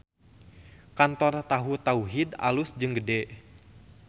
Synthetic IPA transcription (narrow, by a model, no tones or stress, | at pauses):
kant̪ɔrt̪aɦut̪auɦid̪a̰lusd͡ʒɨŋɡədɛʔ